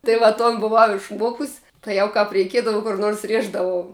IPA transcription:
tɐɪ ˈʋɐ ˈtoːn bʊˈʋɐʊ ɪʃˈmuɔkʊsʲ tɐɪ ˈjɛʊ kɐp rʲɛɪˈkʲiɛdɐʋɐ kʊr noːrs ˈrʲiɛʒdɐʋɐʊ

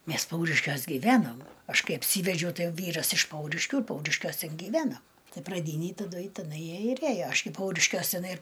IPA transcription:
ˈmʲɛs ˈpɐʊrʲɪʃʲkʲuɔs ɡʲiːˈʋʲæːnoːm ˈɐʃ ˈkɐɪ ɐpʲˈsʲiːʋʲɛd͡ʒʲɛʊ ˈtɐɪ ˈʋʲiːrɐs ɪʃ ˈpɐʊrʲɪʃʲkʲuː ɪr ˈpɐʊrʲɪʃʲkʲuɔs ˈtʲɛn ɡʲɪˈʋʲæːnɐm ˈtɐɪ prɐˈdʲiːnʲeːj tɐˈdʊ ɪ tʲɛˈnɐɪ ˈjiɛ ɪr ˈeːjoː ˈɐʃ ɡʲɪ ˈpɐʊrʲɪʃʲkʲuɔs tʲɪˈnɐɪ ɪr

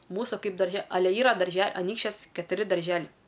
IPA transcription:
ˈmuːsʊ ˈkɐɪp dɐrʲˈʒʲɛ ɐˈlʲɛ ˈiːrɐ dɐrʲˈʒʲɛ ɐˈnʲiːkʃʲt͡ʃʲɛs kʲɛtʊˈrʲɪ dɐrʲˈʒʲæːlʲɛɪ

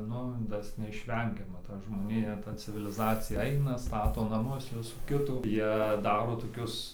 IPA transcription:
ˈnʊ ˈtɐs nʲɛɪʃʲˈʋʲɛŋʲɡʲɛmɐ ˈtɐ ʒmoːˈnʲɪjɛ ˈtɐ t͡sʲɪʋʲɪlʲɪˈzɑːt͡sʲɪjɛ ˈɐɪnɐ ˈstɑːtoː nɐˈmʊs ˈʋʲɪsuː ˈkʲɪtuː ˈjiɛ ˈdɑːroː toːˈkʲʊs

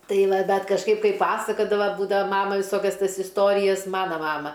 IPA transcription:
ˈtɐɪ ˈʋɐ ˈdɐr kɐʃˈkɐɪp ˈkɐɪ ˈpɑːsɐkɐdɐʋɐ ˈbuːdɐʋɐ ˈmɑːmɐ ʋʲɪˈsoːkʲɛs ˈtɐs ɪsˈtoːrʲɪjɛs ˈmɑːnɐ ˈmɑːmɐ

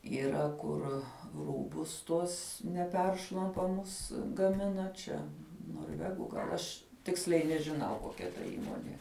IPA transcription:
iːˈrɐ kʊr ˈruːbʊs ˈtuɔs nʲɛˈpʲɛrʃlˠɐmpɐmʊs ɡɐˈmʲɪnɐ ˈt͡ʃʲɛ noːrʲˈʋʲæːɡʊ ɡɐlˠ ˈɐʃ ˈtʲɪksʲlʲɛɪ nʲɛʒʲɪˈnɐʊ koːˈkʲɛ tɐ ˈiːmoːnʲeː

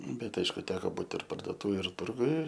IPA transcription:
ˈbʲɛt ˈɐɪʃkʊ ˈtʲæːkoː ˈbuːt ɪr pɐrdoːˈtuːʋʲeːj ɪr ˈtʊrɡʊj

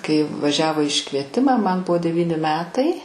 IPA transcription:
kɐɪ ʋɐˈʒʲæːʋoː ɪ ɪʃkʋʲiɛˈtʲɪmɐ mɐn ˈbʊʋoː dʲɛˈʋʲiːnʲɪ ˈmʲæːtɐɪ

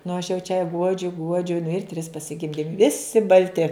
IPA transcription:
nʊ ɐʃ jɛʊ t͡ʃʲɛ ˈɡuɔd͡ʒʲʊ ˈɡuɔd͡ʒʲʊ nʊ ɪr tʲrʲɪs pɐsʲɪˈɡʲɪmʲdʲɪm ˈʋʲɪsʲɪ bɐlʲˈtʲɪ

